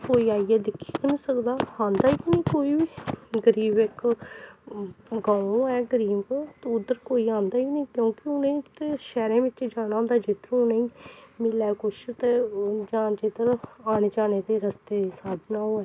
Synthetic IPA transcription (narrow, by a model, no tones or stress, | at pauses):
koːiːaːiɛːd̪ɪkʰːi̥ːkənĩːsəkd̪aːãːnd̪aːikinẽːkoːiːʋiːɡəɾiːbɪk | ɡãːõɛːɡəɾiːbt̪ʊd̪əɾkoːiːãːnd̪aːinĩːkjõːkɪʊnẽːt̪ʃɛːɾẽːʋɪt͡ʃd͡ʒaːñaːʊ̃nd̪aːd͡ʒɪt̪əɾʊnẽĩːmɪlɛːkʊʃt̪ed͡ʒaːd͡ʒet̪əɾaːñed͡ʒaːneːd̪eːɾəst̪eːsaːd̪ʱnaːõːɛː